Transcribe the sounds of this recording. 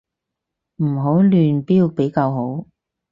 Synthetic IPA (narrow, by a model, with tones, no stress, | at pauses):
m̩˨˩ɦo˨˥wlyː˨npiː˥w̚pe˨˥jkaː˧wɦo˨˥w